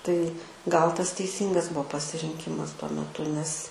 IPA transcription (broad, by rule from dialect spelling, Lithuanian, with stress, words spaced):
tɐɪ ɡɐlˠ tɐs tʲɛɪˈsʲiːŋɡɐs ˈbuɔ pɐsʲɪrʲɪŋʲˈkʲɪmɐs tuɔ mʲɛˈtʊ nʲɛs